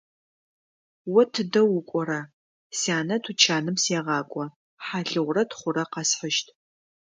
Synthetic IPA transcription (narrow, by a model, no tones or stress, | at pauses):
wɐtʰɨdɐwʊkʷʼɔɾɐ | saːnɐtʰut͡ʃʰaːnɨmsjeʁɑːkʷʼɔ | ħaɬɨʁʷrɐtχʷʊɾɐqɐsħəʃtʰ